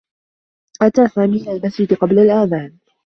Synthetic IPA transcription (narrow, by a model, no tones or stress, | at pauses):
ʔat̪aːsaːmiːlalmasd͡ʒɪd̪qɑblalʔaːðaːn